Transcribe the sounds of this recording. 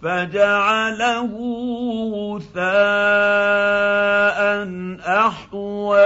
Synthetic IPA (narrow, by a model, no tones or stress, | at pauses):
fad͡ʒaʕalahʊwθaː | ʔanʔɑħt̪ˤʊa